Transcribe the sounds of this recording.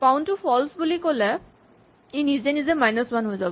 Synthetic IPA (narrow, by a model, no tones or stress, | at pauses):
paʊ̃ntupʰɔlsbulikolɛ | inizɛnizɛmajnɔsmanɦojzabɔ